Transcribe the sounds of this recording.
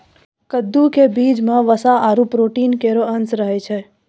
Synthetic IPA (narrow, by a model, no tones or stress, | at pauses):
kəd̪ːukebid͡ʒmãʋəsaaɾũpɾoʈinkeɾoənsɾəɦet͡ʃʰe